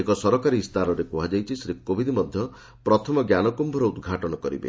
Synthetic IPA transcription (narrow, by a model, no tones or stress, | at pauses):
ekɔsɔɾɔkaɾist̪aɾɔɾepuɦad͡ʒajt͡ʃʰisɾikːobʱid̪ʱimɔd̪ʱjɔ | pɾɔt̪ʰɔmɔɡjanɔkumbʱɔɾɔud̪ɡʱaʈɔnɔkɔɾḭbḛ